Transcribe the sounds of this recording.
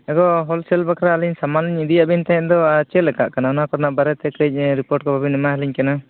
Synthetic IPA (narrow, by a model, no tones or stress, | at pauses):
ɛɡɔɦɔlsɛlbakɾaːliɲsamanliɲid̪ijaʔbɛɲt̪aɦɛ̃ʔd̪ɔat͡ʃɛlɛka̰ʔkanaɔnakɔɾnaʔbaɾɛt̪ɛkɾɛc̚ˀɾipɔɾʈ̚kɔbʱabinɛmaɦɛliɲkana